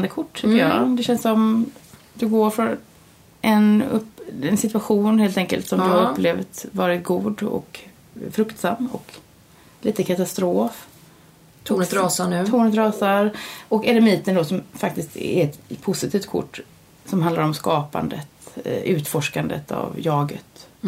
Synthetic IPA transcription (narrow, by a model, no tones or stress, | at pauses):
nd̪əkʰʊʈːʰʏkəjɑ̰d̪ɛɕɛnssɔm | d̪ɵɡoːɾfɾɔn | ʔɛnɵpɛnsɪt̪ɵaɧuːnheːlt̪ɛŋkə̰lt̪sɔmd̪ɵhaɾɵpːleːvt̪vɑːɾɪt̪̚ɡuːd̪ɔ̰k | fɾɵkt̪samːɔ̰k | liːt̪əkʰat̪ast̪ɾoːfʰ | ɾːsanʉt̪ʰuːnət̪ɾɑːsaɾɔkɛlɛmiːt̪ənd̪ɔsɔmfakt̪ɪst̪ɛ̰ɾɛt̪pʰʊsɪt̪ʰiːft̪̚kʰʊ̰ʈː | sɔmhand̪aɾɔmskɑːpa̰nd̪ə̰t̪ʉ̟ːt̪fɔʂkand̪ə̰t̪ʰa̰vjɑːɡə̰t̪